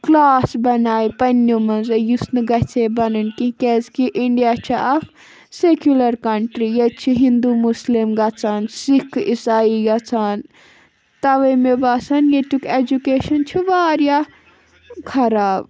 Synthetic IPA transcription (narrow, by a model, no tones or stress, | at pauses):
klaːsbɐnaːipɐnːomɐnzɐjusnɨɡɐt͡sʰebɐnɨnkikʲezkiʔiɳɖijaːt͡ʃʰiʔɐf | sekjulɐɾkɐɳʈɾijet͡ʃʰiɦind̪umuslimɡɐt͡saːnsikʰisaːiɡɐt͡sʰaːn | t̪ɐʋɐmebaːsɐnjet̪uked͡ʒukeːʃɐnt͡ʃʰiʋaːɾja | kʰɐɾaːb